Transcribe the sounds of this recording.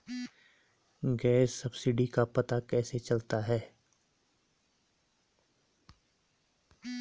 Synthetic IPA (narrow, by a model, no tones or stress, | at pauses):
ɡɛːsːɐbsɪɖikapɐt̪akɛːset͡ʃɐlt̪aɦɛː